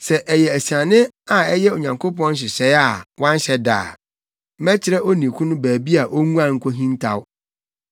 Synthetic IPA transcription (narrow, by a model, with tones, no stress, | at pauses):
sɛ˨ʔɛ˨jɛ˨æ˨si˨ã˨nɪ̃˦ | a˨ɛ˦jɛ˦o˨ɲã˨ŋkʰo˦pɔ̃˦n˦ɕ̬ɪ˨ɕɛ˨˦a˦˨wã˦n˦ɕɛ˦da̰ː˨ | mɛ˦t͡ɕʰɪ˦ɾɛ˦ʔo˦nĩ˨kʰũ˦nʊ̃˦bæː˨bi˦a˨ʔo˦ŋũ˦ã˨ŋ̩˦kʰʷo˦ɦĩ˦n˦tʰa˦˨wʊ˦